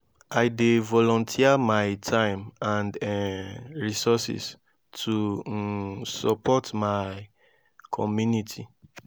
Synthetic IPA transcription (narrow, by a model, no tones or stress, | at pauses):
ajdevɔlɔ̃ntʰiamaɪtʰãɪ̃mãnd | ɹisɔsḭs | tʰu | sɔpʰɔtmaɪ | kʰɔmjunitʰi